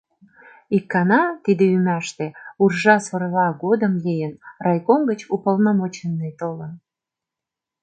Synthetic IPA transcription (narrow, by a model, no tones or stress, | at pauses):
ikːɑnɑt̪id̪eymæʃt̪eurʒɑsorlɑɣod̪əmlejənrɑjkomɡət͡ɕupolnɑmot͡ɕənːejt̪olən